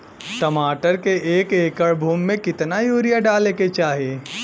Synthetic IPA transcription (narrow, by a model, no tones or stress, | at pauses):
ʈɐmaːʈəɾkeeːkeːkəɭbʱuːmːẽkɪt̪najuːɾijaɖaːleket͡ʃaːɦieː